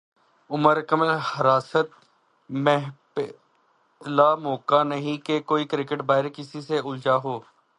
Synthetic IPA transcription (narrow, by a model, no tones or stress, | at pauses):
ʊməɾkəməlhəɾaːsət̪̚ | mɛɦ | laːmoːkanɐɦĩkekoːikɾɪkəʈbaːɦɪɾkɪsiseʊld͡ʒaːɦoː